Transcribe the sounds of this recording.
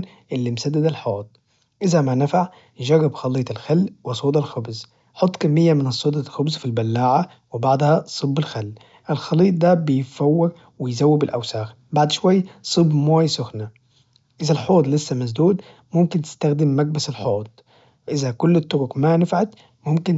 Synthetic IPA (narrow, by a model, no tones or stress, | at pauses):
n | ʔɪlːimsad̪ːad̪alħoːt̪̚ˤ | ʔɪzæmanafaʕ | ʒaɣːabxɑliːt̪ˤɪlxalːwɑsˤoːd̪ɑlxʊbz | ħot̪ˤːkamːɪjːamɪnɑsˤːoːd̪ˤɑlxʊbzfilbalːaːʕa | wɪbaʕd̪ˤhɑsˤɨbːɪlxalː | ʔɪlxɑliːt̪̬̚ˤd̪æbɪjfawːɑɾ | wɪjzæwːɪbɪlʔæ̰wsaːx | baʕd̪ʃwajːsˤɨbmoːjsʊxna | ʔɪzælħoːd̪ˤlɪsːæmazd̪uːd̪ | mʊmkɪnt̪ɪ̥st̪æxd̪ɪmːæɡ̚basɪlħoːt̪̚ˤ | ʔɪzækʊlːɪt̪ːʊɾʊkmanafʕat̪ | mʊmkɪn